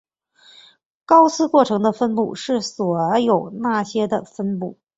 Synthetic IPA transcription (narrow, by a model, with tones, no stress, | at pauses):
kɑ˥ʊsʰɹ̩˥kwɔ˥˩ʈ͡ʂʰɤ˧˥ŋd̪ə˧fə˥npu˥˧ʂɻ̩˥˩swɔ˨˩jo˨˩ʊna˥˩ɕjɛ˥d̪ə˨fə˥npu˥˩